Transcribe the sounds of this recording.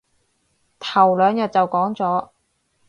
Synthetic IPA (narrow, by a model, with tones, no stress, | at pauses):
t̪ʰɐ˨˩wlœː˨˧ŋjœ˨t̚t͡sɐ˨wkɔː˨˥ŋt͡sɔː˨˥